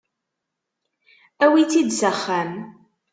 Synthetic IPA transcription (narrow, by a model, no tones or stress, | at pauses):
æwit͡sːid̪zəχːæm